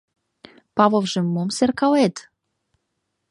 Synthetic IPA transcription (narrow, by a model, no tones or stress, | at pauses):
pɑvovʒĕmːomserkɑwet̪